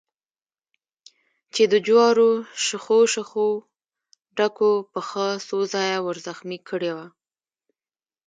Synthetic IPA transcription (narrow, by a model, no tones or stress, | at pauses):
t͡ʃed̪əd͡ʒwɑɾoʃəxoʃəxo | ɖakopəxəsozɑjawəɾzaxmikʰəɽewa